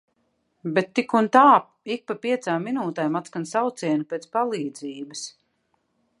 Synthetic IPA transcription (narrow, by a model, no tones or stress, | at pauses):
bɛt̪ːikunt̪aː | ik̚papiɛt̪saːmːinuːt̪ɛjmat̪skansawt̪siɛnupʲɛːt̪spalˠiːd̪ziːbəs